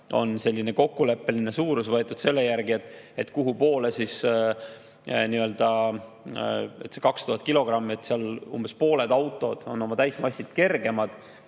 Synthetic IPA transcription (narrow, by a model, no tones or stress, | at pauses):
o̞̰nse̞lʲːine̞ko̞kːule̞pːe̞line̞suːɾusvɤ̞e̞t̪ːˑud̪̥se̞lːe̞jæɾɡie̞t̪ːˑe̞t̪ːˑkuɦupo̞ːle̞sis | niø̞ld̪̥ɑ | e̞t̪sekɑkst̪uɦɑt̪̚ːˑkilo̞ɡ̥rɑmːiet̪seɑlṵmb̥e̞spo̞ːle̞d̪̥ɑwt̪ːˑo̞d̪̥o̞̰no̞mɑt̪æjsmɑsʲːit̪ke̞rɡ̥e̞mɑd̪̥